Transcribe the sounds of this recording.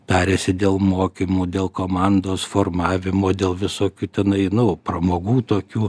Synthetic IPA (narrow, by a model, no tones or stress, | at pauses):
t̪ʲɑːɾʲeːsʲɪd̪ʲeːlˠmoːkʲimuːd̪ʲeːlˠkoːmɑnd̪oːsfoːrmɑːʋʲɪmoːd̪ʲeːlˠʋʲɪsoːkʲuːt̪ʲɛnɐɪnʊpɾɐmoːɡuːt̪oːkʲuː